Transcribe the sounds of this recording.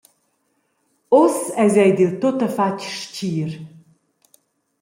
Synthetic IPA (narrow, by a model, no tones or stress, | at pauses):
osɛzɛjd̪ilt̪ot̪əfacʃciːɾ